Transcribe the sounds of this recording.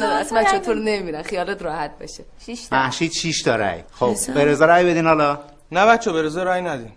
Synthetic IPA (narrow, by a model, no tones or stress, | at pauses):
æsbæt͡ʃʰːɔt̪ʰoɾneiɾænxijɒːlet̪ɾɒːhæt̪̚bḛʃe | mæhʃiːd̪ʃiʃt̪ʰɒɾæ̰jxobbeɾezeɾæjbed̪iːnhɒlɒ | næbæt͡ʃʰːɒbeɾezeɾæjnæd̪in